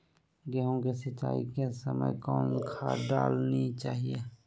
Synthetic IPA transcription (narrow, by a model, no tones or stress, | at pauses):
ɡɛɦõkesət͡ʃːa̰ːḭkesəmə̰jkɔːnkʰaːɖaːlnit͡ʃaːɦie